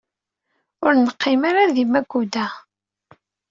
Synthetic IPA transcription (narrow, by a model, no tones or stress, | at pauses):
ʊɾnəqːɪmaɾaðimæɡud̪æ